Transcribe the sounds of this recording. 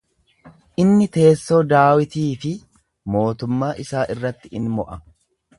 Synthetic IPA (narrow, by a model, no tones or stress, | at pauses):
ʔɪnːɪt̪e̞ːsːoːd̪aːwɪt̪iːfɪ | mo̞ːt̪ʊmːaːʔɪsaːʔɪrːɐt̪ːɪɪnmɔʔɐ